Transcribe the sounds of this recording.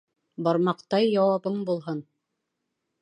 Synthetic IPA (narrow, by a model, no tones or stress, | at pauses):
bɑɾmɑqt̪ɑjːɑwɑβɤɴbulˠɦɤn